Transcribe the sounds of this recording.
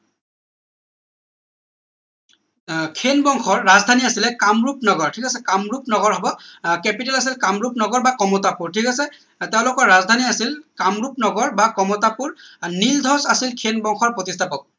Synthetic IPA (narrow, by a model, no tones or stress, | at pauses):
kʰenbɔŋxɔɹːazdʱaniasilɛkamɹupnɔɡɔɹtʰikasɛkamɹupnɔɡɔɹɦɔbɔkɛpitɛlas̬ilkamɹupnɔɡɔɹbakɔmɔtapuɹtʰikasɛ | teʊ̃lʊkɔɹɹazdʱaniasilkamɹup̚nɔɡɔɹbakɔmɔtapuɹnildʱɔsasilkʰenbɔŋxʰɔɹpotistʰapɔk̚